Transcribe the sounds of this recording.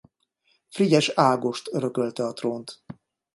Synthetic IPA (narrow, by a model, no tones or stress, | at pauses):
friɟɛʃaːɡo̞ʃt̪øɾøkølt̪ɛɒt̪roːnt̪